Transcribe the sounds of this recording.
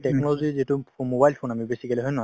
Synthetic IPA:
tɛk̚nɔlɔzizitumobajlpʰonamibesikɛlɛɦɔjna

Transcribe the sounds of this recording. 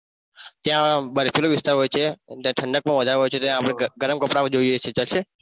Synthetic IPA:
t̪jãbəɾepʰjuloʋɪst̪aɾɦojt͡ʃʰet̪jãʈʰəɳɖək̚pə̃ɳʋəd̪ʱaɾeɦojt͡ʃʰet̪jãːpɽ̃eɡəɾəmkəpɽaʋəd͡ʒoiojet͡ʃʰet͡ʃalʃe

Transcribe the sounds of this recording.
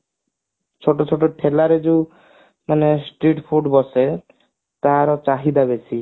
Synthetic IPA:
t͡ʃʰoʈot͡ʃʰoʈoʈʰelaɾed͡ʑeu | manesʈɾiʈpʰuɾɖbɔse | t̪aɾɔt͡ɕaɦid̪aβesʰi

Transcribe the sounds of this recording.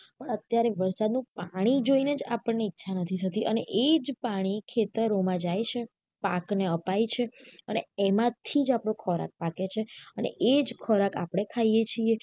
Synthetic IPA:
pəɳət̪jaɾeʋəɾsad̪nũpaɽ̃id͡ʒoined͡ʒapəɳneitːʃʰanət̪ʰit̪ʰət̪iʔə̰neʔed͡ʒpaɽ̃ikʰet̪əɾomãd͡ʒajt͡ʃʰe | pa̰kneəpajt͡ʃʰeəneemãt̪ʰid͡ʒapɽõkʰɔɾa̰k̚paket͡ʃʰeənḛʔed͡ʒkʰɔɾaka̰pɽ̃ekʰaijet͡ʃʰie

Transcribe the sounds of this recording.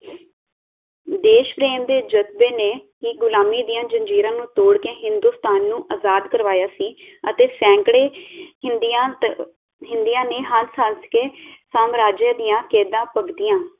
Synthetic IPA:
d̪eːʃpɾeːmd̪eːd͡ʒət̪beːneːkɪɡʊlaːmiːd̪ijãːd͡ʒəɲd͡ʒiːɾãːnũːt̪oːɽkeːɦɪnd̪uːst̪aːnːũːʔaːzaːd̪kəɾʋaːjaːsiːət̪eːsɛ̃ːŋkɽeː | a | ɦɪnd̪ijãːneːɦənsanskeːsaːmɾaːd͡ʒjəd̪ɪjãːkeːd̪ãːpəɡd̪ijãː

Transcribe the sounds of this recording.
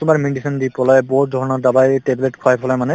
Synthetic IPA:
tʊmaɹmiɳɖisʰɔndipʰɔlajbɔdʱɔɔnɔdabajʈebleʈkʰɔajpʰɔlajmanɛ

